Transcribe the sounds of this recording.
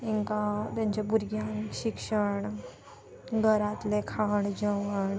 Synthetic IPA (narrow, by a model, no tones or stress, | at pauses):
iŋkãt̪jãɲt͡ɕabuɾɡjãɕikʂəɳ | ɡʱəɾat̪lekʰaɳd͡ʑəʋəɳ